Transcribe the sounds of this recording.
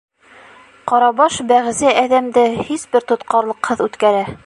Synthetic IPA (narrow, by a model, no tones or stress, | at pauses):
qɑɾɑbɑʃbæʁzæʔæðæmd̪ɘhisbɘɾt̪ŏt̪qɑɾlˠɤ̆qhɤðʉt̪kæɾæ